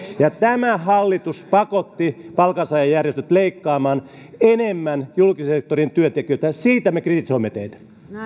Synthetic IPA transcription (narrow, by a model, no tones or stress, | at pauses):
jɑt̪æmæhɑlːit̪uspɑkot̪ːipɑlkɑnsɑjɑjjærjest̪øt̪leikːɑːmɑːn | enemːænjulkisek̚t̪orint̪yøt̪ekiøt̪æsiːt̪æmekrit̪isoimːet̪eit̪æ̥